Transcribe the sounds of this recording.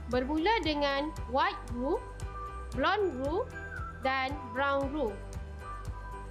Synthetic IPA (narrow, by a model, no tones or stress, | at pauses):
bərmũladəŋãnwajt̪̚ru | blɔnru | danbɾawnru